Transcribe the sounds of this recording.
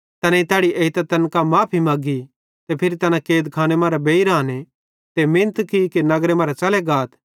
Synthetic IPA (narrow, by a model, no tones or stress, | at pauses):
t̪ɐnãit̪ɛːɽiʔeːit̪at̪ɐnkamãːpʰimɐːɡi | t̪epʰɪɾit̪ɐnãkeːd̪kʰaːñemãːɾabeːiɾaːne | t̪emɪ̃nt̪kikinɐɡɾemãːɾat͡ʃɐlɛɡaːt̪ʰ